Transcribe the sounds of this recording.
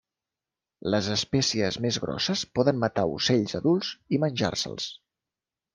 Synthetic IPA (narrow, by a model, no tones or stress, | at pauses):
ləzəspɛsiəzmezɣɾɔ̰səspɔðəmmət̪aṵseʎzəðulˠzimənʲʒa̰rsə̰lˠs